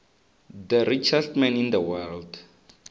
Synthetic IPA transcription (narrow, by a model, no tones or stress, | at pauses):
d̪əɾit͡ʃʰaldmɛ̃nĩnd̪əwɛld